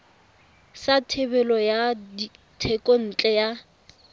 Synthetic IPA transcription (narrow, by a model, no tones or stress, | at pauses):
satʰebɛlɔjadi | tʰɛkʼon̩t͡ɬʼɛja